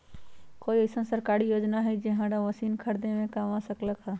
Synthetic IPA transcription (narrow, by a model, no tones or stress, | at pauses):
koːiɐɪsə̃nsəɾkaːɾijoːd͡ʒnaɦɛid͡ʒeɦãɾaʋəsiːnkʰəɾd̪ẽmẽkamãsəkləkɦaː